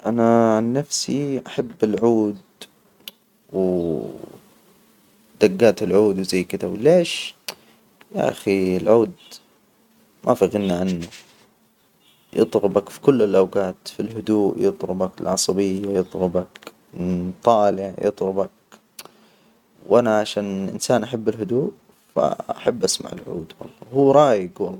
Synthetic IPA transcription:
ʔanaʕanːafsiʔaħabːɪlʕuːd̪ | w | d̪̥aɡːaːt̪ɪlʕuːd̪wzajːkɪd̪awleːʃ | ja̰ʔa̰xilʕuːd̪ | mʔafaɣɪnnaʕanːʊ | jɨ̰t̪ˤɾʊbakfi̥kʊlːɪlʔawɡaːt̪filɦʊd̪uːʔjɨt̪ˤɾʊbakɪlʕɑsˤɑbɪjːajɨt̪ˤɾʊbak | t̪ˤːɑːlɪʕjɨ̰t̪ˤlʊbak̚ | wʔanaʕaʃaːnʔɪ̰nsaːnʔaħabːɪlɦʊd̪uːʔ | fa̰aħabːʔasma̰ʕɪ̰lʕṵːd̪wɑ̰lˤːɑhuːɾˤɑːjɪɡwɑlˤːɑː

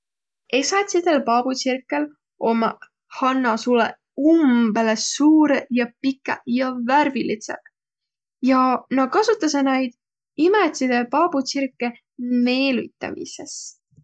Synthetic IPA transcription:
e̞sɑt̪sid̪̥e̞lpɑb̥usirkːˑe̞l | ʔo̞mɑ | hɑnːɑsulḛ | umbe̞le̞suːɾejɑpikːˑejɑværvilit̪sḛɡ | jɑnɑkɑsut̪ːˑɑs̬enæjd̪̥ | imet̪ʲsid̪̥epɑb̥usirkːˑe̞ | me̞ːlṵt̪ːˑɑ̰mḭse̞s

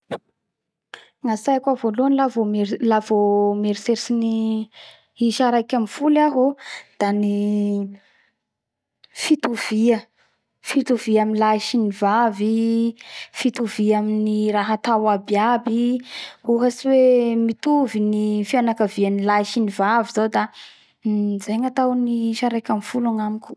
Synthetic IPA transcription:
ŋasajkʲavoluanlavomelavomeɾiseɾisini | iʃaɾajkʲamifulaɦod̪̥ani | fit̪uv̥iə | fit̪uviaminilaiʃinivavi | fit̪uviaminiraɦat̪awabiabi | uɦasiwemit̪uvinifianakaviənilaiʃinivaviz̥awd̪a | zajŋat̪awniiʃaɾajkʲamfulaŋamikʲu̥

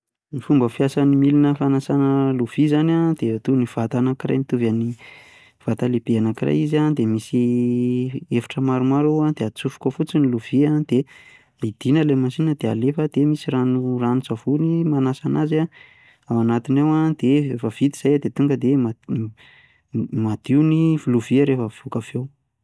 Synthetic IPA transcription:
mifumbəfjasanimilinəfanasanəluv̥izanad̪̥et̪univ̥at̪anakira̰jmit̪uvani | v̥at̪alebianakira̰jizand̪emisi | efi̥ʈ͡ʂəmaɾumaɾuad̪̥eat͡sufu̥kʲofut͡siniluviad̪e | id̪̥inəlemasinəd̪ealefəd̪̥emisiranuranut͡sav̥unimanasanaza | awanat̪inawad̪̥eefavit̪iz̥ajad̪et̪uŋɡəd̪ema | mad̪̥iunivuluviəɾefəv̥ukavew

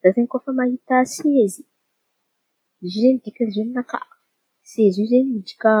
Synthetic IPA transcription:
z̥azeŋkofəmahit̪asiezi | zizend̪ikʲazennaka̰ | sezizeɲmid͡ʒi̥ka

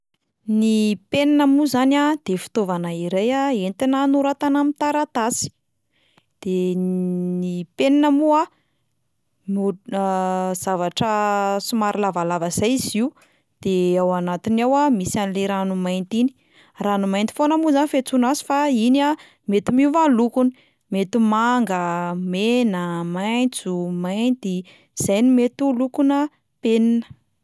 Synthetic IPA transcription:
nipeninəmuzanad̪̥efi̥t̪ovanaiɾejaent̪inanuɾat̪anamint̪aɾat̪asi̥ | d̪̥e | nipeninəmua | mu | z̥avaʈ͡ʂəsumaɾilavalavaz̥ajiziw | d̪̥eawanat̪inawamisanleɾanumajnt̪ini̥ | ranumajnt̪i̥fonəmuzanifet͡sunazi̥faina | met̪umivalukuni | met̪umaŋɡəmenəmajnt͡sumajnt̪i | z̥ajnumet̪ulukunə | peninə̥

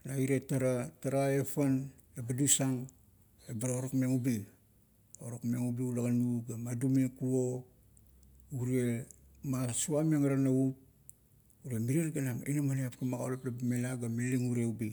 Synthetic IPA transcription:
naiɾetaɾataɾae̞pan | labadusaŋ | ebaɾaoɾokmeŋubi | oɾokmeŋubiulaɡanuɡamadumekuo | uɾe | masuameŋaɾanaup̚ | uɾemiɾienɡanamḛnamaneapkamaɡa̰laplabamelaɡameliŋuɾeubi

